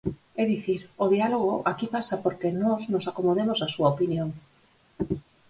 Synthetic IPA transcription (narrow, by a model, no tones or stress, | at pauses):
ɛðiθiɾoðialoɣoʔakipasapoɾkenɔznosakomoðemosasuaopinjõŋ